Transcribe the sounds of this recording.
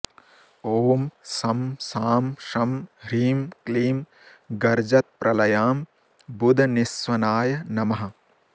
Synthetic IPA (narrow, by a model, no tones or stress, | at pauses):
oːmsɐmsaːmʃɐmɾiːmkliːm | ɡɐɾd͡ʒɐt̪̚pɾʔɐlɐjaːm | bud̪ʱɐnisʋɐnaːjɐnɐmɐɦɐ̆